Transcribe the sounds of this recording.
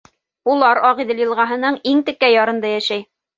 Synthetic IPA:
ulˠɑɾɑʁiðɘljɤ̆lˠʁɑɦɤ̆nɤɴiŋt̪ɘ̆kːæjɑɾɤ̆nd̪ɑjæʃæj

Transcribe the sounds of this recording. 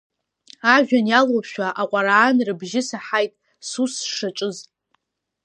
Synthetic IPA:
aʒᶣanjalowpʰʃᶣaʔaqʷʼaɾaːnrɨbʒɪsaħajtʼ | susʂaʈ͡ʂʼɨz

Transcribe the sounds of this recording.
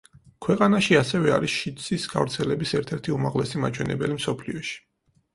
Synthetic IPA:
kʰwɛqʼanaʃiasɛvɛa̰ɾisʃit̪sʼisɡa̰vɾt̪sʰɛlɛbisɛɾt̪ʰɛɾt̪ʰiumaʁlɛsimat͡ʃʰwɛnɛbɛlimsɔpʰliɔʃi̥

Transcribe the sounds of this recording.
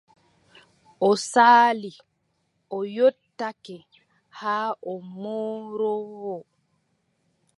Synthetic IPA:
ʔɔsaːli | ʔɔjotːakɛ | haːʔɔmoːɾɔwɔ

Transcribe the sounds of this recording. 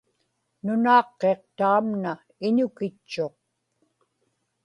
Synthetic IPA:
nʊnɑːqːe̞q̚t̪aːmna | ɪɲʊkɪt͡ʃːo̞q̚

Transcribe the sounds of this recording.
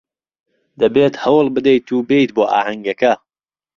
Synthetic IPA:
d̪̥ɐbeːt̪hɐwlˠbɨd̪ejt̪ʰuːbejt̪boːʔa̰ːhɐŋɡɐkɐ

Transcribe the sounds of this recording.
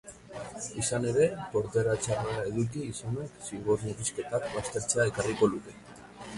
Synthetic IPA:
isane̞ɾe̞po̞ɾt̪eɾat͡ʃareaeðuk̬iːsoneksiɣoɾmuɣiske̞t̪akbast̪e̞ɾt͡seae̞kariko̞luk̪e̞

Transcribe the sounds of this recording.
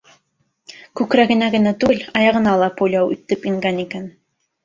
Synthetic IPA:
kʉkɾæɡɘ̆næɡɘ̆næt̪ʉɘlɑjɑʁɤ̆nɑlˠɑpojlʲɑwɵ̰̆t̪ːɘpiŋɡænikæn

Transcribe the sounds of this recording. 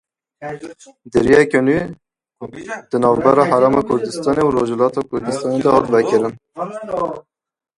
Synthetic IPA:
d̪ɨɾiɛkøne | d̪̥ɨnɑːvbɛɾɑːɦæɾɑːmɑkʰʊɾd̪ɨst̪ɑːneuɾoːʒlɑːt̪ɑkʰʊɾd̪ɨst̪ɑːned̪ɛhɑːt̪vɛkɨɾɨn

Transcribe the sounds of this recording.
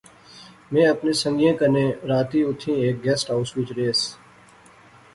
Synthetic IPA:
mẽːəpnẽːsə̃ŋɡjẽːkənẽːɾaːt̪iːʊt̪ʰĩːeːk̚ɡɛːsʈaːʊswɪt͡ʃɾeːs

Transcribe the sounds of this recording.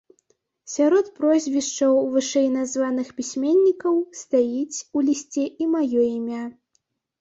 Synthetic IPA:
sʲaɾɔt̪pɾɔzʲvʲiʂt͡ʂɐwvɨʂɛjnazvanɨxpʲisʲmʲenʲːikɐwst̪ajit͡sʲulʲisʲt͡sʲɛʔimajɔimʲa

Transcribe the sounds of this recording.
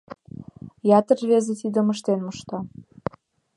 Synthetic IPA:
jɑt̪ərvβezĕt̪id̪ə̆məʃt̪enməʃt̪ɑ

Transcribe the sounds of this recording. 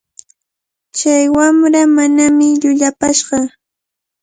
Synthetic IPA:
t͡ʃajwamɾamanamɪʎʊʎapaʃɢɑ

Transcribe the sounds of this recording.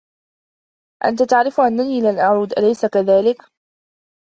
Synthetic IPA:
ʔa̰nt̪at̪aʕɾɪfʔanːaniːlanʔɑʕɾˤuːd̪ʔalajsakaðaːlɪk

